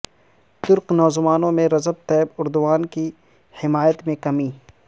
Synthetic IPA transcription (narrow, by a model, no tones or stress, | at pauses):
t̪ʊɾqnɔːzmaːnõmẽɾɐzəb̚t̪ɛɪbʊɾd̪ʊwaːnki | hɪmaːjət̪mẽkɐmiː